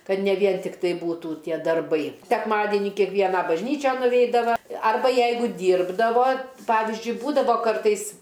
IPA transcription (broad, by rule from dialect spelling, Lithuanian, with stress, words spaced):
ˈkɐt nʲɛ ˈʋʲiɛn tʲɪkˈtɐɪ ˈbuːtuː ˈtʲiɛ dɐrˈbɐɪ sʲɛkˈmɑːdʲiɛnʲiː kʲiɛkˈʋʲiɛnɑː bɐʒʲˈnʲiːt͡ʃʲɛn nʊˈʋʲɛɪdɐʋɐ ˈɐrbɐ ˈjɛɪɡʊ ˈdʲiːrbdɐʋoː ˈpɑːʋʲɪzʲd͡ʒʲʊɪ ˈbuːdɐʋoː ˈkɐrtɐɪs